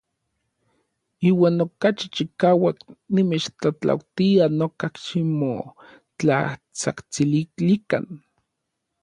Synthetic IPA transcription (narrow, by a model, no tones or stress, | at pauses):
iːwaːnokat͡ʃit͡ʃikaːwaknimeːt͡ʃt͡ɬat͡ɬa̰wt̪ianokakʃimo | t͡ɬa̰t͡sa̰kt͡siliklikan